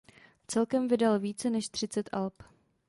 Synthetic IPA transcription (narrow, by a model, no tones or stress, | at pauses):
t͡sɛlkɛmvɪdalviːt͡sɛnɛʃt̪r̝̥ɪt͡sɛt̪ʔalp